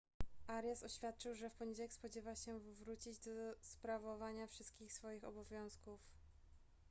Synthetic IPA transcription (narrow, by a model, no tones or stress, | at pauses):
ʔaɾjasɔɕfʲjat̪̚t͡ʂɘwʐɛfpɔɲed͡ʑawɛkspɔd͡ʑɛvaɕɛvɾut͡ɕid͡ʑd̪ɔspɾavɔvaɲafʂɘst̪̚kʲixsfɔjixɔbɔvʲjɔ̃w̃skuf